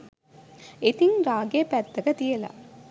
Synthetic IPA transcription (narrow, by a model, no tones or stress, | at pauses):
et̪iŋɾaːɡeːpæt̪ːɐɡɐt̪ijela̰